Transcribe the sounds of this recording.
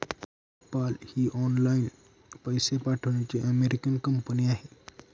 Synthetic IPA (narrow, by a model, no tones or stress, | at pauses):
paːlhiʔɔːnlaːɪn | pɐjsepaːʈʰəɽ̃et͡ʃiɐmeɾɪkənkɐmpəniaːɦeː